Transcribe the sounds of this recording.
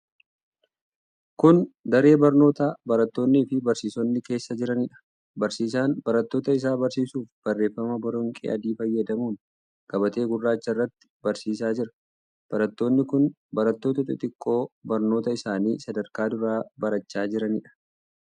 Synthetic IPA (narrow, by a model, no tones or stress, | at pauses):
kʊnd̪ɐɾe̞ːbɐɾno̞ːt̪aːbɐɾɐt̪ːo̞ːnːiːfɪbɐɾsiːsɔnːɪke̞ːsːɐd͡ʒɪɾɐnɪᶑɐ̥ | bɐɾsiːs̬aːnbɐɾɐt̪ːoːt̪ɐɪs̬aːbɐɾsiːsuːfb̥ɐrːe̞ːfːɐmɐbɐɾɔŋkʼɛ̰ʔɐ̰d̪iːfɐjːɐd̪ɐmuːn | ɡ̥ɐbɐt̪e̞ːɡʊrːaːt͡ʃːɐrːɐt̪ːɪ̥bɐɾsiːsaːd͡ʒɪɾɐ̥ | b̥ɐɾɐt̪ːo̞ːnːɪkʊn | bɐɾɐt̪ːo̞ːt̪ɐt̪ɐt̪ʼɪkʼːo̞ːbɐɾnoːt̪ɐɪsaːniːsɐd̪ɐɾkaːd̪ʊɾaːbɐɾɐt͡ʃːaːd͡ʒɪɾɐnɪᶑɐ̥